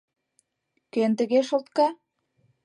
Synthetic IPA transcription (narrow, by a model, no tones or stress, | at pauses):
kent̪ə̆ɣeʃŏlt̪̚kɑ